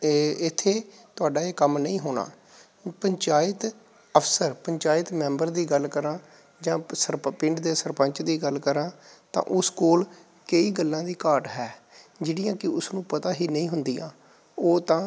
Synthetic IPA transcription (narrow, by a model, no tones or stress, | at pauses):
ɪt̪ʰːeːt̪ʊaːɖaːeːkəmnəĩːɦoːna̰ː | pəɲt͡ʃaːɪt̪ | əfsəɾpəɲt͡ʃaːɪt̪mɛ̃ːmbəɾd̪iːɡəlkəɾãː | d͡ʒãːsəɾppɪ̃ɳʈd̪eːsəɾpəɲt͡ʃd̪iːɡəlkəɾãːt̪ã̰ːʔʊskoːl | kəiːɡəlːãːd̪iːkaːɾʈɦɛː | d͡ʒeːɽijãːkɪʊsnũːpət̪aːɦiːnəĩːɦʊnd̪iːjã̰ː | oːt̪ãː